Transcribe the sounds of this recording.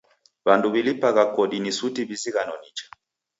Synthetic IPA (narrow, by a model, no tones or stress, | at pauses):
banduβilipaɣakɔɗinisutibiziɣanɔnit͡ʃḁ